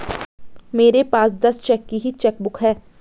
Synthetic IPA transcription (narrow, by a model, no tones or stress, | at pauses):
meːɾepaːsd̪ɐst͡ʃɛːkːiɦit͡ʃɛk̚bʊkɦɛː